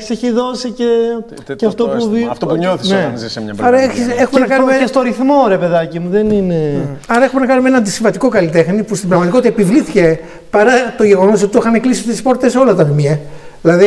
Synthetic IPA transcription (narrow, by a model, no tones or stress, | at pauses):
ei̥seçiðo̞sice | ceɐft̪opuft̪opuɲoθsnenzisɐɾɐeçisexumenɐkɐummeest̪oɾiθmo̞ɾe̞pe̞ðɐcimuðenineɐɾɐexume̞nɐkɐnumeenɐnd̪isiɱvɐt̪iko̞kɐlit̪e̞xnipust̪imbɾɐɣmɐt̪iko̞t̪it̪ɐepivliθice | pɐɾɐt̪o̞ʝe̞ɣo̞no̞s̬ot̪it̪oxɐneklisit̪ispo̞ɾt̪t̪esolɐt̪ɐmimiɐðilɐði